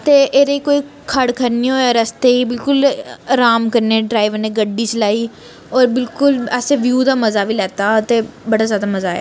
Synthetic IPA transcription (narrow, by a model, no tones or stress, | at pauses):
t̪eːʔeːɾeiːkoːiːkʰəɽkʰəɾniːɦoːaːɾəst̪eːiːbɪlkʊlɾaːmkəɾneːɖɾaːiʋəɾneːɡəɖiːt͡ʃlaːiː | ɔːɾbɪlkʊlɛːseːʋjuːd̪aːməzaːʋiːlɛːt̪aːt̪eːbəɽaːzjaːd̪aːməzaːɛ̰ː